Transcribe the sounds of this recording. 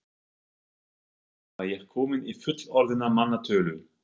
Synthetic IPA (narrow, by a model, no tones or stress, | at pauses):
ajɛɾ̥kʰɔːmɪnifʏt̪lɔɾðɪnamanːat̪ʰœːlʏ